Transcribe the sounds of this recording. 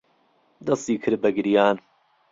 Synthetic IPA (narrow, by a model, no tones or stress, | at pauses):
d̪ɐst̪iːkʰɨɾ̚bɐɡɨɾjaːn